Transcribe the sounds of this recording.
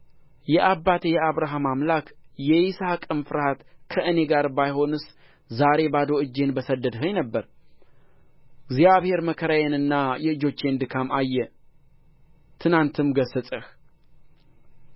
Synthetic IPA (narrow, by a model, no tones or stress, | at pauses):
jɛʔabːat̪jɛaβɾaɦamamlakjɛisahkʼɨmfɨɾhat̪kʰəʔɨne̞ɡaɾbajho̞nɨs | zaɾe̞bad̪o̞ɨd͡ʒːe̞nbəsəd̪əd̪ɦəɲnəbːəɾ | ɡzjaβhe̞ɾməkʰəɾajanɨnːajɛɨd͡ʒo̞t͡ʃːe̞nd̪ɨkʰamajːɛ | t̪ʰɨnant̪ʰɨmɡəsːəsʼəh